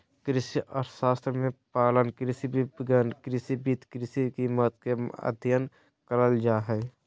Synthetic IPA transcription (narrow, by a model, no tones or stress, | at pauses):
kɾɪsiɔːɾsaːst̪ɾəmẽpaːlənkɾɪsibʱibɡənkɾɪsibiːt̪kɾɪsikiːmət̪keə̰d̪ʱjən | kəɾəld͡ʒaːɦɛː